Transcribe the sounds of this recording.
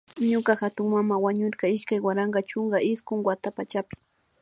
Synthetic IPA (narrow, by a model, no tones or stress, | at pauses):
ɲʊkaxat̪ʊŋmamawaɲʊɾkaɪʃkajwaɾaŋɡat͡ʃʊŋɡaɪskʊŋwat̪apat͡ʃapɪ̥